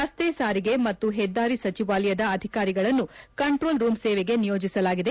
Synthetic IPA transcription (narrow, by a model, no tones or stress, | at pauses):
ɐst̪esaːɾiɡe̞mɐt̪ːuɦɛd̪ːaːɾisɐt͡ʃiʋaːlɐjɐd̪ɐɐd̪ʱikaːɾiɡɐɭɐnːukɐɳʈɾo̞ːlɾuːmseːʋeɡe̞nijo̞ːd͡ʒisɐlaːɡid̪e